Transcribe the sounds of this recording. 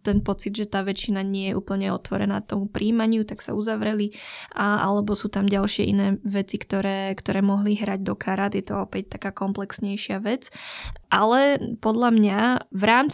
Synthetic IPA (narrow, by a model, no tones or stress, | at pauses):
t̪ɛnpɔt͡sid̪ʒɛt̪aːʋɛt͡ʃːinaɲɪɛjɛʔṵːpl̩ɲɛɔt̪ʋɔɾɛ̰na̰ːt̪ɔmupɾiːmaɲɪut̪aksa̰uzaʋɾɛliaʔa̰lɛbɔsuːt̪amɟalʃɪɛ̰ʔinɛːʋɛt͡sikt̪ɔɾɛːkt̪ɔɾɛːmɔɦliɦɾaɟ̚d̪ɔkʰaɾat̪jɛt̪ɔ̰ɔpɛc̚t̪akaːkɔmplɛksɲɛjʃɪaʋɛt͡sʔalɛpɔd̪ʎamɲavɾaːmt͡s